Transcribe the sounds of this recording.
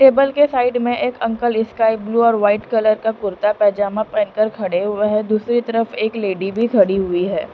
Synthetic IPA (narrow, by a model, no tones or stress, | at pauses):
ʈeːbəlkesaːɪɖmẽʔeːkɐ̃ŋkəlɪskaːɪbluːɔːɾʋaːɪʈkɐləɾkakʊɾt̪apɛːd͡ʒaːmãpɛ̃ːnkəɾkʰɐɽeɦʊeɦɛd̪uːsɾit̪ɐɾəfeːkleːɖibʱikʰɐɽiɦʊiɦɛː